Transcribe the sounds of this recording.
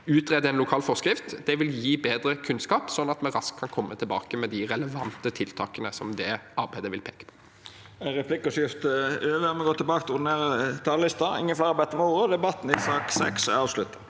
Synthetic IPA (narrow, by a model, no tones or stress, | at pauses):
ʉːt̪ʁɛd̪əɛnʊkʰɑːlfɔʁskɾɪft̪d̪ɛʋɪljiːbeːd̪ɾəkʰʉnskɑːpsɔnːɑt̪mɛɾɑskʰːɑnkʰɔmːət̪ʰɪlbɑ̰ːkəmɛd̪ɪʁɛləʋɑnt̪ət̪ʰɪlt̪ʰɑːkənəsɔmd̪ɛɑɾbæɪd̪əʋɪlpʰeːkə̥pʰɔ̥ | ʁɛpʰlɪkːɔsɪft̪əøːʋəmɛɡoːt̪ʰɪlbɑːkt̪ʰʊɾd̪ɪneːɾət̪ʰɑːləlɪst̪ɑɪ̰ŋːənflæɪɑɾbæɪt̪əɾmɛuːɾəd̪ɛbɑt̪ːn̩ɪsɑːksɛ̰ksɛ̰ɑːʋslʉt̪ːə